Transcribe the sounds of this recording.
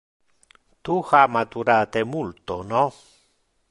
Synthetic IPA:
t̪uxamat̪uɾat̪emult̪ono

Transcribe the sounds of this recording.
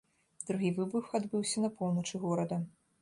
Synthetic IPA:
d̪ɾuɣʲivɨbuxad̪bɨwsʲɐnɐpʰɔwnɐt͡ʂɨɣɔɾɐd̪ɐ

